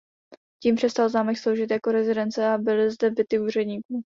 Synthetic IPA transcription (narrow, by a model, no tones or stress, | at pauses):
ciːmpr̥ɛst̪alznaːmɛkslowʒɪt̪jako̞ɾɛzɪdɛnt̪t͡sɛabɪlɪzdɛbɪt̪ɪuːr̝ɛdɲiːkuː